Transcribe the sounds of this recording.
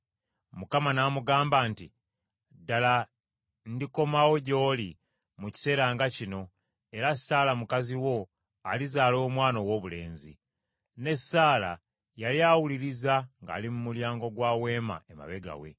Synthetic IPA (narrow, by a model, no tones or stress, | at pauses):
mukamanaːmuɡaːmbantḭ | dala | ndiko̞mawo̞ɟo̞ːli | muci̥se̞ːɾaːŋɡacino̞ | e̞ɾasaːlamukaziwo̞ | alizaːlo̞ːmwaːno̞wo̞βule̞̰ːnzḭ | ne̞saːla̰ | jaliawuliɾizaŋɡa̰ːlimumuljaːŋɡo̞ɡwaːwe̞ːma̰ema̰βe̞ɡa̰we̞̰